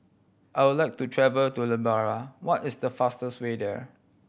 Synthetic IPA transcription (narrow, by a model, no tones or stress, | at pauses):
ʔajwʊdlajk̚tutʰɹɛvəltuləbaɹawɔtɪsdəfastəswedɛ̰